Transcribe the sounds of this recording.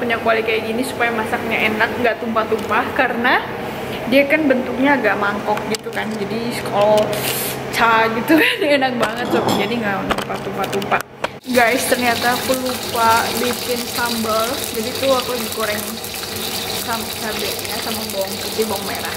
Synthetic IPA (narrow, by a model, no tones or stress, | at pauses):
puɲakualikajaɡinisu̥pajamasak̚ŋɡaʔenak̚ŋɡaʔt̪umpat̪umpahkaɾəna | diakanbənt̪uk̚ɲaːɡaʔmaŋkɔk̚ɡit̪ukand͡ʒadiskʰɔl | t͡ʃaɡit̪ukandiaenak̚baŋət̪̚sapid͡ʒadiŋɡaʔt̪umpat̪umpat̪umpa | ɡajst̪ərɲat̪apəlupalikɪnsambəld͡ʒadit̪ʊakowdikoɾɛŋ | samsabɛʔjasamaŋbɔŋkut̪ibɔŋmeɾah